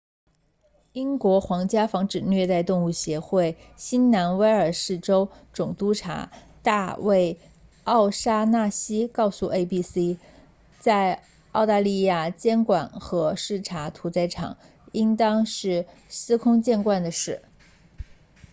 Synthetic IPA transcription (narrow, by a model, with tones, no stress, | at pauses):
i˥nkwɔ˧˥xwɑ˧˥ŋt͡ɕja˥fɑ˧˥ŋʈ͡ʂɻ̩˨˩nɥɛ˥˧t̪a˥˧ɪt̪ʊ˥˧ŋu˥˩ɕjɛ˧˥xwe˥˩ɪ | ɕi˥nna˧˥nwe˥ɪə˞˨˩ʂɻ̩˥˩ʈ͡ʂo˥ʊʈ͡ʂʊ˨˩ŋt̪u˥ʈ͡ʂʰa̰˧˥ | t̪a˥˧we˥˩ɪ | ɑ˥˩ʊʂa˥na˥˩ɕi˥kɑ˥˧ʊsu˥˧˩ʔe˥ɪpi˥si˥ | t͡sa˥˧ɪ | ɑ˥˧ʊt̪a˥˧li˥˧ja˥˩t͡ɕjɛ˥nkwa˨˩˦nxɤ˧˥ʂɻ̩˥˩ʈ͡ʂʰa˧˥t̪ʰu˧˥t͡sa˧˥ɪʈ͡ʂʰɑ̰˨˩˦ŋ | i˥nt̪ɑ˥ŋʂɻ̩˥˩ | sɹ̩˥kʰʊ˥ŋt͡ɕjɛ˥˧nkwa˥˩nd̪ə˩ʂɻ̩˥˩